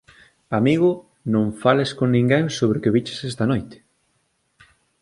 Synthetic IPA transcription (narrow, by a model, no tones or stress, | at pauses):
amiɣ̞ʊ | nõɱfaleskoŋnĩŋɡeŋsoβɾɪkeβit͡ʃe̥sɛst̪ɐnojt̪ɪ̥